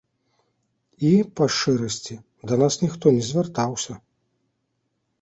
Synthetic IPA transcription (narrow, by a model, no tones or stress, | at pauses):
ipɐʂt͡ʂɛɾɐsʲt͡sʲi | d̪ɐnasnʲixt̪ɔnʲɛzʲvʲɛrt̪awsʲɐ